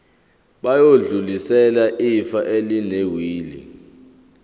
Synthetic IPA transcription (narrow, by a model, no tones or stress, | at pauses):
ɓajoɮulisɛlaʔifaʔelinewiːlḭ